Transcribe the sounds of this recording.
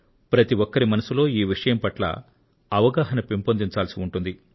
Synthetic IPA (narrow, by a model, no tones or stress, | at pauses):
pɾɐt̪iʋɔkːɐɾimɐnɐsulo̞ːiːʋiʂɐjɐmpɐʈlɐ̰ | ɐʋɐɡaːɦɐnɐpimpond̪iɲt͡ʃaːlsiuɳʈund̪i